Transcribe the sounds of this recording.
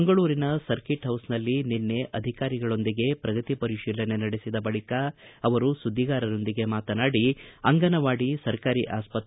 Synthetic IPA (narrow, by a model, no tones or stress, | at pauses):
ŋɡɐɭuːɾinɐsɐɾkiʈɦɐwsnɐlːininːe̞ʔɐd̪ʱikaːɾiɡɐɭo̞nd̪iɡe̞pɾɐɡɐt̪ipɐɾiʃiːlɐne̞nɐɽesid̪ɐbɐɭikɐːʋɐɾusud̪ʱːiɡaːɾɐɾo̞nd̪iɡe̞maːt̪ɐnaːɽiɐŋɡɐnɐʋaːɽisɐɾkaːɾiʔaːspɐt̪